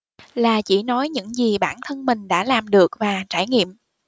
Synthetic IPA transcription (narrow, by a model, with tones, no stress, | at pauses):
laː˨˩t͡ɕi˧˩nɔ˨˦jɲɨ̰˧˥ŋzi˨˩ɓaː˧˩nt̪ʰə˧nmï˨˩ŋ̟ɗa̰ː˧˥laː˨˩mɗɨ˨˩ək̚vaː˨˩t͡ɕaː˧˩jŋḭ˧˨əm